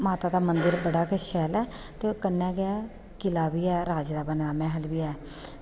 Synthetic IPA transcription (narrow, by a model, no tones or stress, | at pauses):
maːt̪aːd̪aːmənd̪əɾbəɽaːkəʃɛːlɛː | t̪eːkənːɛːɡɪaː | kɪlaːbiːɛːɾaːd͡ʒd̪aːbənd̪aːmɛ̃ːɦəlʋiːɛː